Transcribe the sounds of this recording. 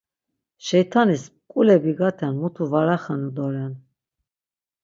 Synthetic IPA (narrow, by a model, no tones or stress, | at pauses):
ʃɛjt̪ʰanispkʼulɛbiɡat̪ʰɛnmut̪ʰuvaɾaχanud̪ɔɾɛn